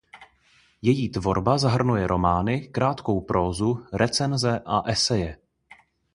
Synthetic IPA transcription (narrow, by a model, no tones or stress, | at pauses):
jɛjiːt̪vo̞ɾbazaɦr̩nujɛɾʔo̞maːnɪkɾaːt̪ko̞wpɾo̞ːzuɾɛt͡sɛnzɛʔaʔɛsɛjɛ